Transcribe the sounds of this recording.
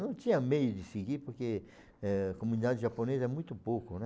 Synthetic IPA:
nɐ̃w̃t̪ĩɲɐmejʊd͡ʒɪsiɡiɾpoɾke | ɛakomũnid̪ad͡ʒɪʒaponezɐɛmũj̃t̪ʊpokʊnɛ

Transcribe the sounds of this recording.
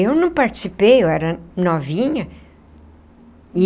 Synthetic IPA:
ewnɐ̃w̃paɾt͡ʃi̥sipejewɛɾɐnɔvĩɲɐ | i

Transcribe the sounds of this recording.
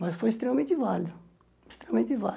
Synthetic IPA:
mɐsfojɪst̪ɾemɐmẽnt̪ɪvalid̪ʊ | ɪst̪ɾemɐmẽnt̪ɪva

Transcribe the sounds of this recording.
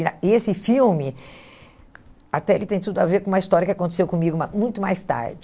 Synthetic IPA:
iaesɪfiwmɪ | at̪ɛelɪt̪ẽj̃t̪ud̪ʊaveɾkõũmɐist̪ɔɾjɐkɪakõnt̪e̥sewkõmiɡʊmamũj̃t̪ʊmajst̪a̰ɾd͡ʒɪ

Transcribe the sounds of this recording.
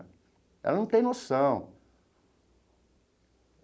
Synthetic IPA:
ɛ̰lɐnɐ̃w̃t̪ẽj̃nosɐ̃w̃

